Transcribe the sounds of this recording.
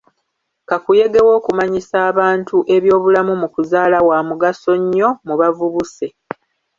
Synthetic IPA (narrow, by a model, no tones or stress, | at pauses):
kakuje̞ɡe̞wo̞ːkumaɲisaːβaːntuʔe̞βjo̞ːβulamumukuzaːlawaːmuɡaso̞ɲːo̞muβavuβuse